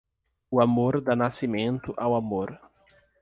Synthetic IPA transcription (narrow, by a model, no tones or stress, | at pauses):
ʊamoɾd̪anasimẽnt̪ʊʔawamoɾ